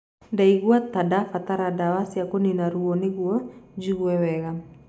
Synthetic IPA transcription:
daiɡuat̪adafat̪aɾadawasiakuninaɾuɔniɡuad͡ʒiɡuɛwɛɡa

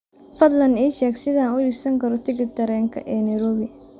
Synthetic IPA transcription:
fɐd̪lɐniːʃɛːɡsɪðɐaːnʊiːsɐŋkʰɐɾɔt̪ʰɪɡɪt̪ʰɐɾɛːŋkʰɐ̰ʔɛːnɐjɾɔːβɪ

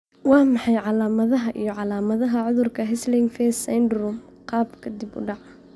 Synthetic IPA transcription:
wɑːmɑħɑjʕɑlaːmɐðɐɦɐʔijɞʕɑlaːmɐðɐɦɐʕʊðʊrkʰɐɦɛslɪŋɡfɛːsɐndrum | qɑːbkʰɐd̪ɪbʊ̰ɖɑʕɑ

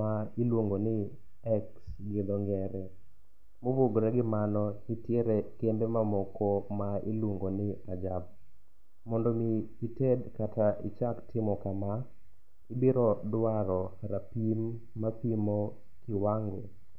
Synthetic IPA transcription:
ailwoŋɡonɪ | ɛksɡɪd̪ɔŋɡɛɾɛ | moboɡɾɛɡɪmanɔitjeɾekembemamɔkʰɔmailwoŋɡonɪad͡ʒab̚ | mɔndomiːtedkataʔɪ̰t͡ʃaktɪmɔkama | ibiɾɔdwaɾɔɾapimː | apimo | kɪwaŋɡo

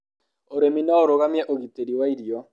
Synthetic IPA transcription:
oɾeminɔoɾoɣamjɛʔoɡiteɾiwaiɾiɔ

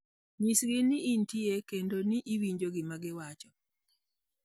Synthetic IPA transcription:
misɡɪnɪʔːntiekendoniʔiwiɲd͡ʒoɡɪmaɡɪwat͡ʃɔ

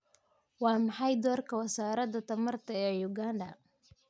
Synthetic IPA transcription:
wɑːmɑħɑjd̪ɔːrkʰɐwɐsaːɾɐd̪ɐt̪ʰɐmɐrt̪ʰɐɛːjʊɡaːnɖɐ

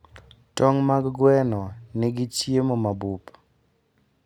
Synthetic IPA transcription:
tɔŋmaɡɡwɛnɔnɪɡɪt͡ʃjemomabup

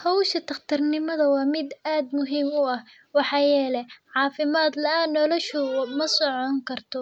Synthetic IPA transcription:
hɔwʃɐt̪ʰɐχt̪ʰɐrnɪmɐðɐwɑːmɪd̪aːd̪mʊɦiːmʊɐh | wɑħɑːjɛːlɛʕɑːfɪmaːd̪lɐaːnɔlɔʃʊmɐsɔʕɔŋkʰɐrt̪ʰɔ

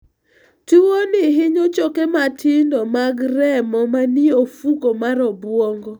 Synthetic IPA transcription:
tuwonɪɦɪɲot͡ʃɔkematʰɪndɔmaɡɾɛmɔmanɪofukomaɾɔbwɔŋɡɔ

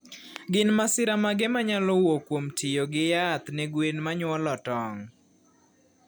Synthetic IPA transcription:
ɡɪnmasɪɾamaɡɛmaɲalɔwokwomtʰɪjoɡɪjat̪nɛɡwenmaɲwɔlɔtɔŋ

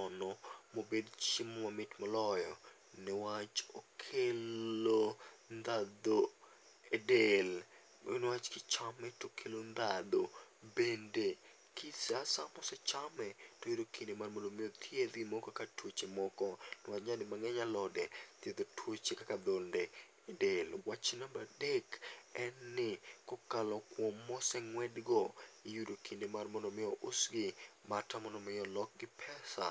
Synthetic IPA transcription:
ɔnɔmobedt͡ʃimɔmamɪtmɔlɔjɔ | nɛwat͡ʃokʰelond̪ad̪o | edel̰ | nwat͡ʃkɪt͡ʃamɛtokʰelond̪ad̪obende | kʰɪsasamɔsɛt͡ʃamɛtojudokʰindemarmɔndomɪjɔt̪ʰjed̪ɡɪmɔkɔkatwot͡ʃemɔkɔnʊaɲadɪmaŋɛɲalɔdɛt̪jed̪otʰwot͡ʃekakad̪olnde | delwat͡ʃnambadekɛnːɪkɔkalɔkwɔmːɔsɛŋwɛdɡɔijudokʰindemarmɔndɔmɪɔʔʊsɡɪmatamɔndɔmɪɔlɔk̚ɡɪpʰɛsa̰

